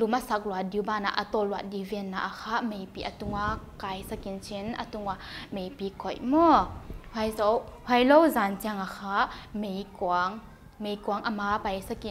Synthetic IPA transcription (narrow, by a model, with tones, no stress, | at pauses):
lu˨ma˦sa˨˧k̚lu˨a˨di˧˨wba˧na̰˨ʔa˧t̪ɔ˧lu˨a˧˨t̪̚di˧vɛ˧nːa̰˨ʔa˨kʰa˦me˨˧jpi˧˨ʔa˨t̪u˧ŋa˧ka˨˧jsa˧ki˨nt͡sʰi˧˦na˧t̪u˧ŋa˧˨me˨jpi˧kʰɔ˨jʔmɔ˦ha˧jzɔ˧wha˧jlɔ˧wza˨nt͡si˧a˧ŋa˨kʰa˧˦me˧jku˨aŋ | me˨jku˧a˧ŋʔa˧ma˧pa˨˧jsa˧ki˨n